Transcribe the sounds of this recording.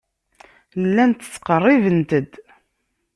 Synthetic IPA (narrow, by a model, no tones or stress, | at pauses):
lːænt̪ːə̥t͡sːqərˤːivənt̪əd̪